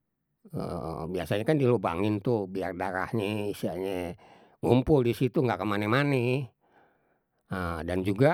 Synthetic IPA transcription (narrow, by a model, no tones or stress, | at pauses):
biasaɲakandiloba̰ŋɪnt̪uhbiardaɾa̰hɲeisiaɲa | ŋumpʊldisit̪uŋɡakəmanɛmanɛ | ədand͡ʒuɡa